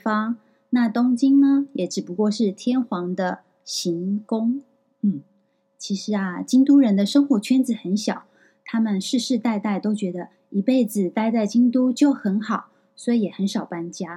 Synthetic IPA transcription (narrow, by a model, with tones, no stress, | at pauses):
fɑ˥ŋ | na˥˩t̪ʊ˥ŋt͡ɕi˥ŋnə˧jɛ˨˩˥ʈ͡ʂɻ̩˨˩pu˧˥kwɔ˥˧ʂɻ̩˥˩t̪ʰjɛ˥nxwɑ˧˥ŋd̪ə˧ | ɕi˧˥ŋkʊ˥ŋ | n̩˥˩ | t͡ɕʰi˧˥ʂɻ̩˧˥ɐ˧t͡ɕi˥ŋt̪u˥ɻə˧˥nd̪ə˧ʂɤ˥ŋxwɔ˧˥t͡ɕʰɥɛ˥nd͡zɹ̩˨˩xə˧˥nɕjɑ˨˩˦ʊ | t̪ʰa˥mə˨nʂɻ̩˥˧ʂɻ̩˥˧t̪a˥˧ɪt̪a˥˩ɪt̪o˥ʊt͡ɕɥɛ˧˥d̪ə˧ | i˧˥pe˥˩ɪd͡zɹ̩˨˩t̪a˥˧ɪt͡sa˥˩ɪt͡ɕi˥ŋt̪u˥t͡ɕjo˥˩ʊxə˧˥nxɑ˨˩˦ʊ | swɔ˧˥i˧˩jɛ˨˩xə˧˥nʂɑ˨˩ʊpa˥nt͡ɕja˥